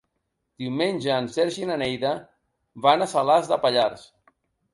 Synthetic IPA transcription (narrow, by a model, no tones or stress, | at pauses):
d̪̥iwmenʲʒəːnsɛɾʒinanɛjðə | βanasalazðəpaʎaɾs